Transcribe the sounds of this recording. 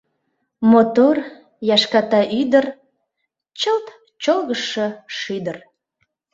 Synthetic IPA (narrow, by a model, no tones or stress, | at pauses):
mot̪or | jɑʃkɑt̪ɑʔyd̪ər | t͡ɕəlt̪ | t͡ɕolɣəʃəʃyd̪ər